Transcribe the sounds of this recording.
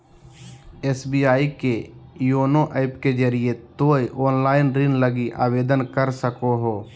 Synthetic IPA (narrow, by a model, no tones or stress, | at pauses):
eːsbiːaːikejoːnoʔɛːpked͡ʒəɾijet̪oːiʔoːnlaːɪnɾinləɡiʔa̰ːʋeːd̪ənkəɾsəkoɦoː